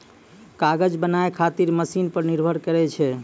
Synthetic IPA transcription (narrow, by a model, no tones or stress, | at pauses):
kaɡəd͡ʒbənaekʰat̪iɾməsinpəɾniɾbʱəɾkəɾɛt͡ʃʰɛ